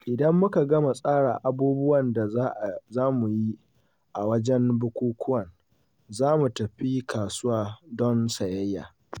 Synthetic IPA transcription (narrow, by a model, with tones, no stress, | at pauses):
ʔɪ˨dɐ˦mːʊ˦ka˨ɡɐ˦ma˨sʼaː˦ɽa̰ː˨ʔa˨buː˦bʊ˦wɐ˨nda˨˦ʔzaː˦mu˨ji˦ | ʔa˨wɐ˦d͡ʒɛ˦nbʊ˦kʷuː˦kʷʰʊ˦wɐ˨n | zaː˦mu˨tɐ˨ɸi˦kʰaː˨sʊ˦waː˨dɔ˦nsɐ˨jɐ˦jːa̰ː˨